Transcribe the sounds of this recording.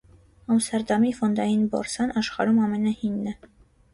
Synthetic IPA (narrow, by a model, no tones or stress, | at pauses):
ɑmst̪ɛɾd̪ɑmifɔnd̪ɑjinbɔ̰ɾsɑnɑʃχɑ̰ɾumɑmɛnɑhinːɛ